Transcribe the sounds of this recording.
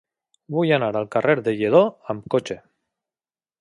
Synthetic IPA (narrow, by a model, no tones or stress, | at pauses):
bujanaɾalˠkareɾðeʎeðoamkot͡ʃe